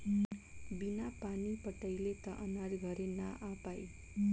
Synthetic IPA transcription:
binapanipʌʈʌjlet̪ʌʔʌnaɾɡʱʌɾenaʔapaj

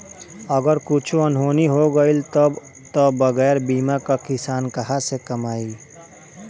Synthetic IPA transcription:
əɡəɾkut͡ʃʰuənɦoːniɦoɡəilt̪ɔ | t̪ɔbɐɣɛːɾbiːmakakɪsaːnkɐɦasekɐmaːi

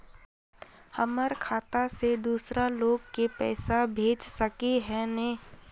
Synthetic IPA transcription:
həməɾkʰaːt̪ased̪uːsɾaloːɡkepɛ̰ːsabʱeːt͡ʃsəkeɦɛneː

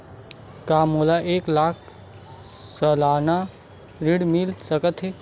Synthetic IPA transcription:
kaːmolaʔeːklaːk̚ʰ | səlaːna | ɾiɽmilsəkət̪ɦeː

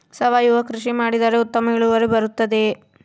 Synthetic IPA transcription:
sɐʋaːjuʋɐkɾuʂimaːɽid̪ɐːɾeut̪ːɐmɐɐɭuʋɐɾebɐɾut̪ːɐd̪e̞

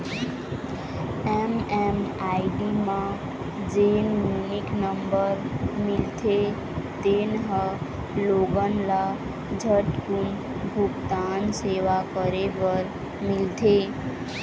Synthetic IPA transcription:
ɛmɛmaɖimã | d͡ʒenjuniknəmbəɾmɪlt̪ʰe | t̪enɦə | loɡənla | d͡ʒʱəʈkun | bʱuɡt̪anseʋakəɾepəɾ | mɪlt̪ʰe

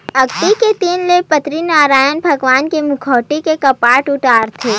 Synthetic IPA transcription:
ɐɡt̪iket̪iːnlepɐt̪ɾinaːɾaːjənbʱɐɡʋaːnkemʊkʰɔːʈikekɐpaːʈʊʈaːɾt̪ʰeː

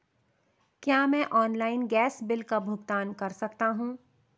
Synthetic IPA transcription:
kjaːmɛ̃ʔɔːnlaːɪnɡɛːsbɪlkabʱʊɡt̪aːnkɐɾsɐkt̪aɦũː

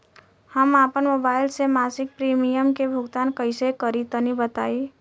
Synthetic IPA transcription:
həmapənmobaɪlsemasik̚pɾimijəmkebʱuɡt̪ankəjsekəɾit̪ənibət̪ai

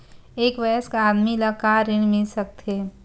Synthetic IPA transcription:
eːkʋɛskad̪miləkaɾiɽ̃mɪsək̚t̪ʰe

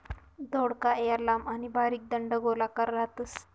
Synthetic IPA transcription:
d̪oɽkaejaɾlamanibaɾiːk̚d̪əɳɖəɡolakaɾːat̪əs

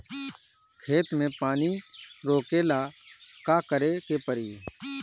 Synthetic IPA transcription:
kʰeːt̪mẽːpaːniːɾoːkeːlaːkaːkəɾeːk̪eːpəɾiː

